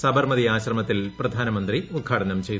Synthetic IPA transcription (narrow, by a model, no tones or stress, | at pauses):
sɐbɐrmɐðiaːɕrɐmɐt̪ːilprɐd̪ʱaːnɐmɐnd̪riud̪̚ɡʰaːɽɐnɐmt͡ɕe̞jt̪